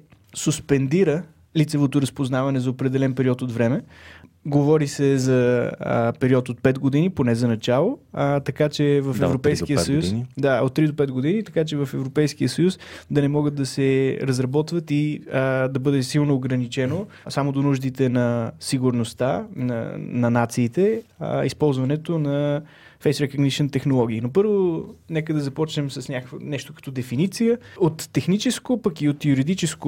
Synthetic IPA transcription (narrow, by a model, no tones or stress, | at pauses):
suspɛnd̪iɾə | lit̪sɛvot̪oɾəspoznavɐnɛzɐopɾɛd̪ɛlɛnpɛɾiɔt̪ot̪vɾɛmɛ | ɡovɔɾisɛzɐ | pɛɾiɔt̪ot̪̚pɛd̪ɡod̪iniponɛzɐnɐt͡ʃalˠot̪ɐkat͡ʃɛvɐfɛvɾopɛjskiəsɐjusd̪aot̪t̪ːɾid̪opɛd̪ɡod̪init̪ɐkat͡ʃɛvɐfɛvɾopɛjskiəsəjusd̪ɐnɛmɔɡət̪̚d̪ɐsɛɾɐzɾɐbɔt̪vət̪id̪ɐbɤd̪ɛsilˠnoːɡɾɐnit͡ʃɛno | samod̪onuʒd̪it̪ɛnɐsiɡuɾnost̪a̰nɐ̰nɐnat̪siːt̪ɛḭspɔlˠzvɐnɛt̪onɐ | fɛjsɾɛkəɡniʃɛnt̪ɛxnolˠɔɡ̟iinopɤɾvonɛkəd̪ɐzɐpɔt͡ʃnɛmsɐsnʲaknɛʃt̪o̥kɐ̥t̪ɔd̪ɛfinit̪sijəot̪ːɛxnit͡ʃɛskopɐkiot̪juɾid̪it͡ʃɛsko